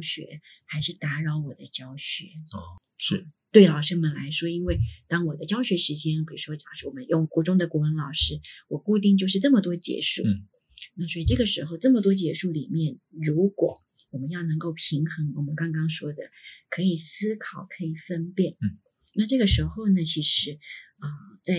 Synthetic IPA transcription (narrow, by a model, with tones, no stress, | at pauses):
ɕɥɛ̰˧˥xa˧˥ɪʂɻ̩˥˩t̪a˧˥ɻɑ˧˥ʊwɔ˨˩d̪ə˦t͡ɕjɑ˥ʊɕɥɛ̰˧˥ | ʂɻ̩˥˩t̪we˥˩ɪlɑ˨˩ʊʂə˥mə˨nla˧˥ɪʂwɔ˥i˥nwe˥˩ɪt̪ɑ˥ŋwɔ˨˩d̪ə˦t͡ɕjɑ˥ʊɕɥɛ˧˥ʂɻ̩˧˥t͡ɕjɛ˥npi˨˩ɻu˧˥ʂwɔ˥˨˩wɔ˨˩mə˦njʊ˥˩ŋkwɔ˧˥ʈ͡ʂʊ˥ŋd̪ə˨kwɔ˧˥ə˧˥nlɑ˨˩ʊʂɻ̩˥wɔ˨˩ku˥˧t̪̬i˥˧ŋt͡ɕjo˥˧ʊʂ̬ɻ̩˥˧ʈ͡ʂɤ˥˩mə˩t̪wɔ˥t͡ɕjɛ̰˧˥ʂṵ˥˩ | na˥˩swɔ˧˥i˨˩ʈ͡ʂɤ˥˩ɡə˩ʂɻ̩˧˥xo˥˧ʊʈ͡ʂɤ˥˩mə˩t̪wɔ˥t͡ɕjɛ˧˥ʂu˥˩li˨˩mjɛ˥˩nɻu˧˥kwɔ̰˨˩˦ | wɔ˨˩mə˦jɑ˥˩ʊnɤ˧˥ŋko˥˩ʊpʰi˧˥ŋxɤ˧˥ŋwɔ˨˩mə˦nkɑ˥ŋkɑ˥ŋʂwɔ˥d̪ə˨kʰɤ˧˥i˨˩sɹ̩˥kʰɑ˨˩ʊkʰɤ˧˥i˨˩fə˥npjɛ˥˩n | na˥˧ʈ͡ʂɤ˥˩ɡə˩ʂɻ̩˧˥xo˥˩ʊnə˩t͡ɕʰi˧˥ʂɻ̩˧˥ | ə˧˩t͡sa˥˩ɪ